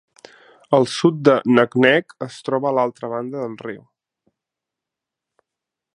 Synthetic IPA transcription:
əlˠsut̪̚d̪ənəknɛkəst̪ɾɔβəːlalˠt̪ɾəβand̪əðəlˠriw

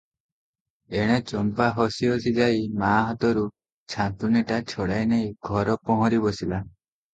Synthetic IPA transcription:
eɽ̃et͡ʃɔmpaɦɔsiɔsid͡ʒajmaːɦɔt̪ɔɾu | t͡ʃʰãnt̪uniʈat͡ʃʰɔɽajnejɡʱɔɾɔpɔ̃ɦɔ̃ɾibɔsila

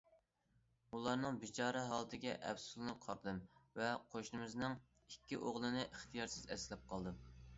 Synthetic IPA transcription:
ulˠɑɾnɨŋbit͡ʃʰɑːɾɛɦɑːlˠɨt̪ʰɪɡʲɛʔɛ̰psulˠnɨqʰɑɾd̪ɨmvɛqʰoʃnɨmɨznɨŋ | ikʲːḭʔoʁlˠɨnɨʔɪχt̪ʰijɑɾsɪzɛsɪlɛp̚qʰɑlˠd̪ɨ

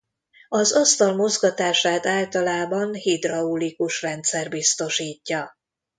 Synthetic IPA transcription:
ɒzɒst̪ɒlmozɡɒt̪aːʃaːlt̪aːlt̪ɒlaːbɒnhid̪rɒulikuʃrɛnt̪sɛrbist̪o̞ʃiːcːɒ

